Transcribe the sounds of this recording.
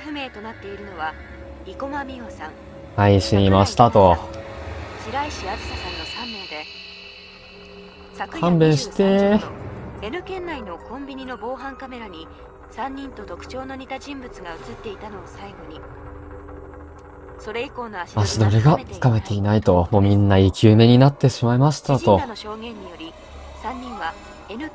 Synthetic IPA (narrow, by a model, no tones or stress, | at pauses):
ɸɯ̟me̞ːt̪o̞nat̪ːe̞iɾɯ̟no̞βa | iko̞mamʲiosãŋ | aiɕiɲʲimaɕi̥t̪at̪o̞ | ɕiɾaiɕiaɾɯsasãnːo̞sãmːe̞ːd̪e̞ | sakɯãmbẽɕi̥t̪e | e̞nɯ̟kẽ̞nːaino̞kõ̞mbʲiɲ̟ino̞bo̞ːɦãŋkame̞ɾaɲ̟i | sãɲ̟ːĩnt̪o̞t̪o̞kɯ̟̥t͡ɕo̞ːno̞ɲ̟it̪aʑĩmbɯ̟t͡sɨɡaɯ̟t͡sɨt̪ːe̞it̪ano̞ːsaiɡo̞ɲ̟i | so̞ɾe̞iko̞ːnoamasid̪o̞ɾeɡakame̞t̪ʰe̞inait̪o̞mo̞ːmʲĩnːaikʲɯːme̞ɲ̟inat̪ːe̞ɕimaimaɕi̥t̪at̪o̞noɕo̞ːɡẽ̞ɲ̟ːijo̞ɾʲi | sãɲ̟ːĩɰ̃βa | enɯ̟